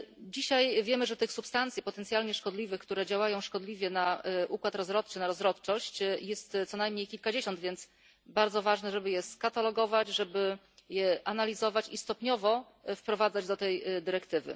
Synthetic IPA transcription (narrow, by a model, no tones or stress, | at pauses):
d͡ʑiɕajvʲjɛmɘʐɛt̪ɘxsupst̪ant̪sʲjipɔt̪ɛnt̪sʲjalɲɛʂkɔd̪lʲivɘkt̪uɾɛd͡ʑawajɔ̃w̃ʂkɔd̪lʲivʲjɛnaʔukwat̪ɾɔzɾɔt̪̚t͡ʂɘnaɾɔzɾɔt̪t͡ʂɔɕt͡ɕjɛst̪sɔnajmɲejkʲilkad͡ʑeɕɔnd̪vʲjɛnt̪s | baɾd̪zɔvaʐnɛʐɛbɘjɛskat̪alɔɡɔvad͡ʑʐɛbɘ | jɛʔanalʲizɔvat͡ɕist̪ɔpɲɔvɔ | fpɾɔvad̪zad͡ʑd̪ɔt̪ɛjd̪ɘɾɛkt̪ɘvɘ̰